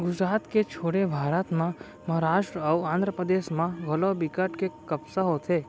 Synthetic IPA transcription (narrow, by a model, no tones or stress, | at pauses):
ɡʊd͡ʒɾat̪ket͡ʃʰoɽebʱaɾət̪mã | məɦəɾaʃʈɾəəuãnd̪ɾəpɾəd̪esmãɡʱəlobikəʈkekəpsaɦot̪ʰe